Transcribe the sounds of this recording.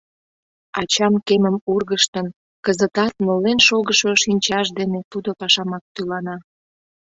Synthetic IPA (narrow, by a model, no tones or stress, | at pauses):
ɑt͡ɕɑmkeməmurɣəʃt̪ən | kəzət̪ɑt̪̚nolenʃoɣəʃoʃinʲt͡ɕɑʃd̪enet̪ud̪opɑʃɑmɑk̚t̪ylɑnɑ